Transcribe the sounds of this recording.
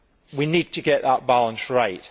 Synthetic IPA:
winiːd̚tʰəɡɛʔðəʔ̚b̥alə̃nsɹaɪt

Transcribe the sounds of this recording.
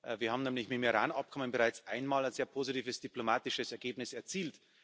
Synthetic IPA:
ʔviːɐhaːmnɛːmlɪçmɪtmiʁa̰ːnap̚kʰɔmənbɪʁaɪt͡sʔaɪnmaːlaɪnzeːɐpʰoːzitiːvəsd̥iplomaːtɪʃəsɛɐɡeːbnɪsɛɐt͡siːlt

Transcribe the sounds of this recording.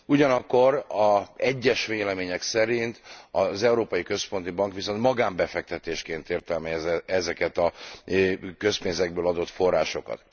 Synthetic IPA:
uɟɒnɒkːo̞ɾɒɛɟːɛʃʋeːlɛmeːɲɛksɛɾint̪ɒzɛuɾoːpɒjikø̞spo̞nt̪ibɒŋkʋiso̞nt̪mɒɡaːmbɛfɛk̚t̪ɛt̪eːʃkeːnt̪eːrt̪ɛlmɛzɛzɛkɛt̪ɒ | kø̞speːnzɛɡ̚bøːlɒd̪o̞t̪fo̞rːaːʃo̞kɒ̰t̪

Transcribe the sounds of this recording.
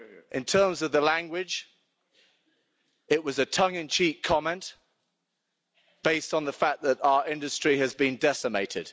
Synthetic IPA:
ʔɪ̃ntʰɜːmzəvðəlæ̃ŋɡwɪd͡ʒ | ɪʔwɒzətʰʌ̃ŋə̃nt͡ʃʰiˑkkʰɒmɛ̃nʔ | b̥eɪstn̩ðəfak̚ðəɾaʊəɹɪ̃ndəstɹ̥iəzbĩndɛsəmeɪtʰɪd̥

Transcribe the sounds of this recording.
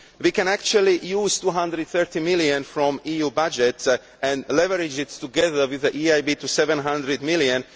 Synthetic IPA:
wikɛ̃nækt͡ʃualijuːz̥t̪uːɦãnd̪ɾɨd̪θɜ˞t̪imɪljə̃nfɾɔ̃mijuːbad͡ʒɛt | ɛ̃ndlɛvəɾɪd͡ʒɪttuɡɛðə˞wɪðəʔiajbit̪usɛvɛ̃nɦãnd̪ɾɨd̪mɪljə̃n

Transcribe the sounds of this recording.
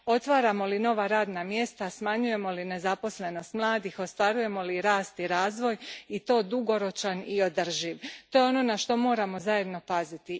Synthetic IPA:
o̞t̪ʋaːɾamo̞lino̞ʋaɾaːd̪namje̞st̪asmaɲuje̞mo̞line̞zapo̞sle̞no̞st̪mlˠaːd̪ixo̞st̪ʋaɾuje̞mo̞liɾaːst̪iɾaːzʋo̞jit̪o̞ːd̪uɡo̞ɾo̞t͡ʃanio̞d̪ər̩ʒiʋt̪ojeo̞no̞naʃt̪o̞mo̞ːɾamo̞zaje̞d̪no̞pazit̪i

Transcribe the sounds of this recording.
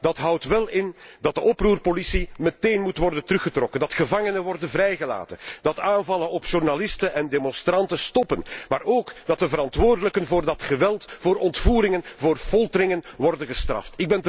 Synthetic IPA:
d̥ɑtɦʌwtʋɛlˠɪndɑt̚dəʔɔpruːrpolisiməteːjnmutʋɔrdəntəɾɵxətrɔkəndɑtxəvɑŋənənʋɔrdənvrɛjɣəla̰ːtənd̥ɑtaːnvɑlənɔpʒ̥urnalɪstənʔɛndemɔnstrɑntəstɔpənmaːɾoːkd̥ɑt̚dəvəɾɑntʋoːrdələkənvʊːrdɑtxəʋɛlˠtvoːɾʔɔntfuːɾɪŋənvoːrfɔlˠtəɾɪŋənʋɔrdənɣəstrɑ̰ftɪɡ̚bɛnt

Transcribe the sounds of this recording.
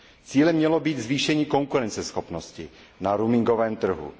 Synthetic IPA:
t͡siːlɛmɲɛlobiːd̪zviːʃɛɲiːko̞ŋkuɾɛnt͡sɛsxopnoscɪ | naɾumɪŋɡovɛːmt̪r̩ɦṵ

